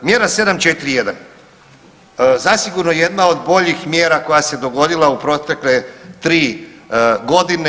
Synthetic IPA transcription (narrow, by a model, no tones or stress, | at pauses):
mje̞ːɾase̞d̪amt͡ʃet̪ɾije̞d̪an | zasiɡuɾnojje̞d̪nao̞d̪bo̞ʎixmje̞ːɾako̞jase̞d̪o̞ɡo̞d̪ilˠaupɾo̞t̪e̞kle̞t̪ɾiː | ɡo̞d̪ine